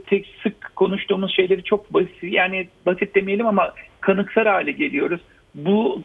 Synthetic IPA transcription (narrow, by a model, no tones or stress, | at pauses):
t̪ʰɛcsɯkkʰːo̞nuʃt̪uːmuzʃe̞jlʲe̞ɾit͡ʃʰo̞k̚bajaːnibasit̪̚d̪e̞mijelʲimamakʰanɯksˠaɾhaːlʲɛɟe̞lʲijo̞ɾuz̥ | bu